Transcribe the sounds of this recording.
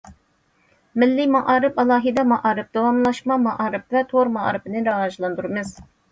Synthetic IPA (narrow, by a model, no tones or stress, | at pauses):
mɪlːɪmɑʔɑːɾɨpɑlˠɑːɦɨd̪ɑmɑʔɑːɾɨp̚d̪ɑwɑmlˠɑʃmɑmɑʔɑːɾɨp̚vɛt̪ʰoɾmɑɑ̰ɾɨpɨnɨɾɑwɑːʒlˠɑnd̪uɾɨmɨz̥